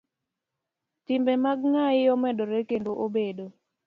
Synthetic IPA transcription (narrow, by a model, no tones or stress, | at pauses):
tɪmbɛmaɡ̚ŋaɪɔmɛdoɾekendoʔobedo